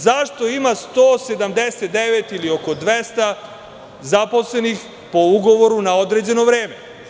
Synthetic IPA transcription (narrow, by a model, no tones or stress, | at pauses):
zaʃt̪o̞imast̪oːse̞d̪amd̪eset̪̚d̪eʋet̪ilio̞ko̞d̪ʋest̪a | zapo̞sle̞nix | po̞uɡo̞ʋo̞ɾunaod̪ɾeːd͡ʑe̞no̞ʋɾeːme